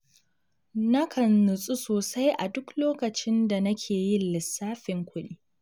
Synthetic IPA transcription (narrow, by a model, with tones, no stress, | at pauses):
nɐ˦kʰɐ˨nːʊ˨sʼu˦soː˨sa˦jʔa˨dʊ˦kloː˦kɐ˨t͡ʃɪ˦nda˨nɐ˦kʲʰeː˨ji˦lɪ˨sːaː˦ɸɪ˨ŋkʷʊ˦ɗiː˦